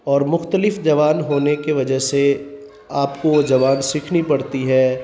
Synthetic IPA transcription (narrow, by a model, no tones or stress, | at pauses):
ɔːɾmʊxt̪əlɪfd͡ʒɐʋaːnɦoːnekeʋɐd͡ʒəɦse | aːpkod͡ʒɐʋaːnsɪkʰnipɐɽt̪iɦɛː